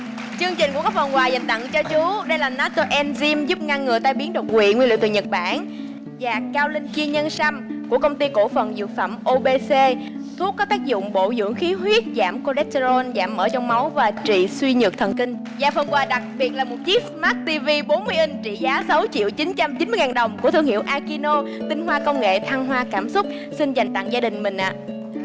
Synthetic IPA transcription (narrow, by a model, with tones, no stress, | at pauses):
t͡ɕɨ˧əŋt͡ɕi˨˩ŋ̟ku˧˩əkaː˦˥k̚fə˨˩kwaː˨˩jzə̰˨˩ŋt̪ə̰˧˨ŋt͡ɕɔ˧t͡ɕu˨˦ɗə˧jlaː˨˩naː˨˦t̪o˧ʔɛ˧nzi˧mzu˦˥p̚ŋa˧ŋːɨ˨˩əjt̪aː˧jɓi˨˦əŋɗo˨˩wḭ˧˨ŋwi˧lḭ˧˨t̪ɨ̰˧˨˩ɲə˨˩t̚ɓa̰ː˧˩˨n | zaː˨˩kaː˧wlï˧ŋt͡ɕi˧əɲə˧nsa˧mku˧˩əkə˧wŋ͡mt̪i˧ko̰˧˥fə˨˩nzɨ̰˨˩ək̚fa̰ː˧˩mʔo˧ɓe˧se˧ | t̪ʰu˦˥kːɔ˨˦t̪aː˦˥k̚zʊ̰˧˨ŋ͡mɓo̰˧˨zɨ̰˧˥əŋxi˨˦ɦwi˦˥ət̚za̰ː˧˩mko˧lɛ˦˥t̚te˧zo˧nzaː˧˩mːə̰ː˧˩t͡ɕɔ˧wŋ͡mma˨˦wvaː˨˩t͡ɕḭ˧˨swi˧ɲɨ˨˩k̚t̪ʰə˨˩nkï˧ŋ̟ | zaː˧fə˧ŋkwaː˧˩ɗa˨˩k̚ɓi˨˩ət̚laː˨˩mo˨˩t̚t͡ɕi˦˥smaː˦˥t̚t̪i˧vi˧ɓo˨˦nmɨ˧əʔi˧ŋ̟t͡ɕḭ˧˨zaː˨˦sa˨˦wt͡ɕḭ˧˨wt͡ɕi˨˦nt͡ɕa˧mt͡ɕï˨˦nmɨ˧ŋaː˨˩nɗə˨˩wŋ͡mkət̪ʰɨ˧˩əŋhḭ˧˨əwʔaː˧ki˧no˧t̪ï˨˦ŋ̟ɦwaː˧kə˧wŋ͡mŋḛ˧˨t̪ʰa˧ŋɦwaː˧kaː˧˩msʊ˦˥k͡p̚ | si˧nza˨˩jŋ̟t̪a̰˧˨ŋzaː˧ɗï˨˩ŋ̟mï˨˩ŋ̟ʔa̰ː˧˨